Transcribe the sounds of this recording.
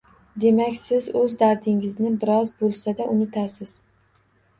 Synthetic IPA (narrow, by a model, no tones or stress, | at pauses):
d̪e̞makʲsɪzɵzd̪aɾd̪ɪŋɪznɪbɪɾɒzbolˠsad̪aʔʊnɪt̪ʰasɪz̥